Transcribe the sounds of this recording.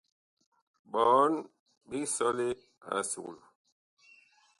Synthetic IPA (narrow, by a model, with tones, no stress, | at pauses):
ɓɔ˨˦n | ɓi˦sɔ˦li˦ | a̰˨sṵ˨lu˨